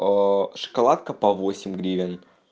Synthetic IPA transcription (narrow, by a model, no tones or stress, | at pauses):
əʂə̥kalˠat̪̚kəpɐvosʲɪmʲɡɾʲivʲɪn